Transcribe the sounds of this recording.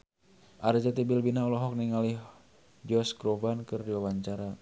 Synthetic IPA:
ʔard͡ʒat̪ibilbinaulɔɦɔk̚niŋalih | d͡ʒɔskɾɔvankɨrdiwawaɲt͡ʃaɾa

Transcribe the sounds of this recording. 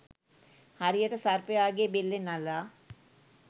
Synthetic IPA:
haɾijəʈɐsaɾpeaːɡebelːenala

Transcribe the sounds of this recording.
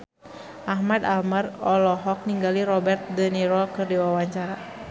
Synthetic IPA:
ʔaɦmad̪almərɔlɔɦɔk̚niŋɡaliɾɔbɛrt̪̚dəniɾɔkɨrdiwawaɲt͡ʃaɾa

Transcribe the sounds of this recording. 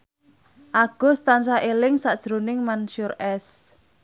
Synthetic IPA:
ʔaɡ̥ɔ̤st̪ans̬aʔelɪŋsad̥ʒ̥ɾonɪŋmanʃʊrʔɛs

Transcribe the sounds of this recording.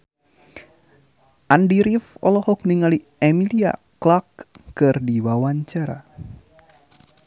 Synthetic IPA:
ʔandiɾifɔlɔhɔk̚niŋali | ɛmilia̰klakkɨrdiwawaɲt͡ʃaɾa̰

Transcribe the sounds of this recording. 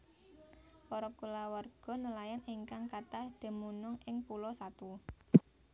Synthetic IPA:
pɔɾɔkulawarɡ̥ɔ̤nəlajanɪŋkaŋkat̪ahd̪̥ə̤munʊŋɪŋpulɔsat̪u

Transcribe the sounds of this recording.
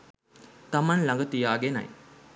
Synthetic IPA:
t̪amanlaŋɡət̪ijaːɡenɐ̰j

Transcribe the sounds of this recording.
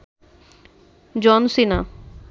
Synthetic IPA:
d͡ʑɔnsina

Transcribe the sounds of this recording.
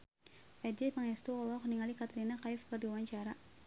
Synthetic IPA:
ʔɛdiməŋɛst̪uɔlɔkniŋalikat̪ɾinakaɪfkərdiuwaɲt͡ʃaɾa

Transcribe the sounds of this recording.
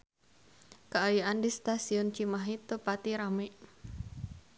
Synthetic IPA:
kəajuʔandist̪asiɔnt͡ʃimaɦit̪opat̪iɾameʔ

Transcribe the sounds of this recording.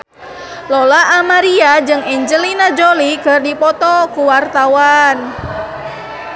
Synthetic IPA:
lɔlaʔamaɾiad͡ʒɨŋɛɲd͡ʒəlinad͡ʒolikərdipɔt̪ɔkuwart̪awan

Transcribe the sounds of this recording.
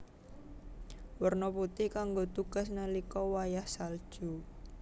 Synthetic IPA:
wərnɔput̪ɪhkaŋɡot̪uɡ̥a̤snəlikɔwajahsal̥ʒ̥u

